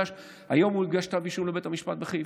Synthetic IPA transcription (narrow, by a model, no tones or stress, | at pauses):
aʃ | hajo̞mulɡaʃt̪abiʃumlebet̪hamiʃpat̪̚beχe